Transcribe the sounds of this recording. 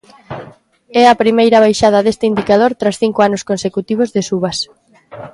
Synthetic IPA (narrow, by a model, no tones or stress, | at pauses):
ɛɐpɾimejɾɐβ̞ajʃað̞ɐðest̪ɪind̪ikað̞oɾt̪ɾasθiŋkoanʊskonsekut̪iβ̞ozðesuβɐs